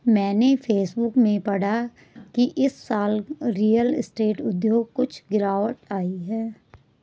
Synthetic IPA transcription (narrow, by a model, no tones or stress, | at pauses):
mɛ̃ːnepʰeːsbʊkmẽpɐɽa | kiʔɪsːaːlɾiːəlɪsʈeːʈʊd̪joːɡkʊt͡ʃʰɡɪɾaːʋəʈaːiɦɛː